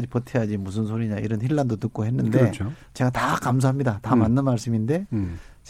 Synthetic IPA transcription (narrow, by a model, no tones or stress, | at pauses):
d͡ʑipʌtʰejad͡ʑimus̬ʰɯnsʰoɾiɲaiɾʌnçiɭːandotɯk͈̚oɦe̞nːɯnde̞t͡ɕʰo | t͡ɕe̞ɡatakams̬ʰaɦamɲidatamanːɯnmaɭs͈ɯminde̞t͡ɕ